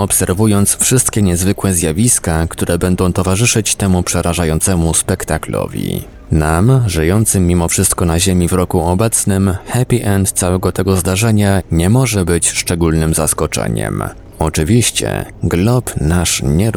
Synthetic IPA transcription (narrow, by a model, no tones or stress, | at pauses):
ɔpsɛɾvujɔnt̪sfʂɘst̪kʲɛɲɛzvɘkwɛzʲjavʲiskakt̪uɾɛbɛnd̪ɔ̃w̃t̪ɔvaʐɘʂɘt͡ɕt̪ɛmupʂɛɾaʐajɔnt̪sɛmuspɛkt̪aklɔ̰vʲḭ | namʐɘjɔnt̪sɘmʲːimɔfʂɘst̪kɔnaʑemʲivɾɔkuɔbɛt̪snɘmxɛpʲiʔɛnt̪t̪sawɛɡɔt̪ɛɡɔzd̪aʐɛɲaɲɛmɔʐɛbɘt͡ɕʂt͡ʂɛɡulnɘmzaskɔt͡ʂɛ̰ɲɛ̰m | ɔt͡ʂɘvʲiɕt͡ɕɛ̰ | ɡlɔpnaʂɲɛ